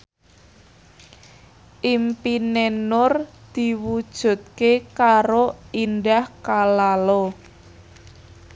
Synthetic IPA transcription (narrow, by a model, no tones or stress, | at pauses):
ʔimpinenʊrd̪̥i̤wud̥ʒ̥ṳt̪̚kekaɾoinɖahkalalɔ